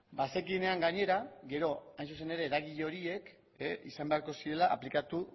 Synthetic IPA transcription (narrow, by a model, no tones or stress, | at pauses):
base̞kine̞aŋɡaɲe̞ɾaɡe̞ɾo̞ajnsuse̞ne̞ɾe̞ːɾaɣ̞iʎe̞o̞ɾie̞k | isambe̞aɾko̞siɾe̞laʔa̰plikat̪u